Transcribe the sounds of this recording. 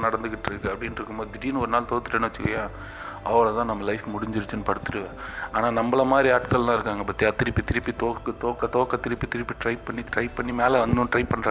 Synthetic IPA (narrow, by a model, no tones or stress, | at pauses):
nɐɽɐnd̪ɯk̬ːɪʈːɾɯkːɯɐpːɐɽɪnɪɾɯkːɯmboːd̪ɪʈiːnɔɾɯnaːlt̪oːt̪ːɯ̥ʈːɐnɐʋɐt͡ʃːɯkːɐjaː | ɐʋɐɭɐt̪ãːnɐmːɐlɐɪfmʊɽɪɲd͡ʒɪɾɯt͡ʃːɯnɯpɐɽɯt̪ːɯʈɯʋɛːaːnaːnɐmbɐɭɐmaːd̪ɾiaːʈkɐllãːɪɾɯkːaːŋɡɐpɐt̪ːiɐt̪ːɪɾɪpːit̪ɪɾɪpːit̪oːkːɯt̪oːkːɐt̪oːkːɐt̪ːɪɾɪpːit̪ɪɾɪpːiʈɾɐɪppːɐɳːiɾɐɪpɐɳːimeːlɐʋɐnd̪ʊ̃ʈɾɐɪpɐɳːɾaː